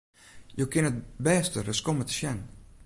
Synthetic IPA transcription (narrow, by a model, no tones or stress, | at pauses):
jokɪnət̚bɛːstərəskomətə̥ʃjɛn